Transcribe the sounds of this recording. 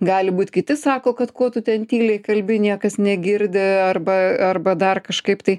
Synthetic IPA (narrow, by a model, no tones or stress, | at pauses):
ɡɑːlʲɪbuːt̪ʲkʲɪt̪ʲɪsɑːkoːkɐt̪koːt̪ʊt̪ʲɛnt̪ʲiːlʲɛɪkɐlʲbʲɪnʲiɛkɐsnʲɛɡʲɪɾʲd̪ʲɪɐrbɐɐrbɐd̪ɐrkɐʃkɐɪpt̪ɐɪ